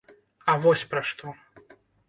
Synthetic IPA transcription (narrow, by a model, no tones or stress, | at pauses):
ɐvɔsʲpɾɐʂt̪ɔ